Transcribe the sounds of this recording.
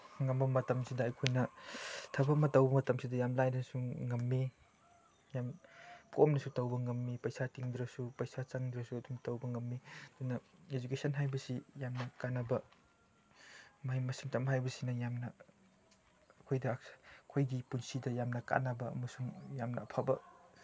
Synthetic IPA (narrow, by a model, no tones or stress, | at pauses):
ŋɐmbɐmɐtɐmsidɐːjkʰojnɐtʰɐbɐmɐtɐwbɐmɐtɐmsidɐjamlajnɐnsuŋɐmːi | jamkomnɐsutɐwbɐŋɐmːipɐjsatiŋd̪ɾɐsupɐjsat͡ʃaŋd̪ɾɐsuɐdumtɐwbɐŋɐmːid̥unɐed͡ʒukesʰɐnɦajbɐsijamnɐkanɐbɐ | majmɐsiŋtamɦajbɐsinɐjamnɐ | ɐkʰojdɐkʰojɡipunsidɐjamnɐka̰nɐbɐɐ̰mɐsuŋjamnɐːpʰabɐ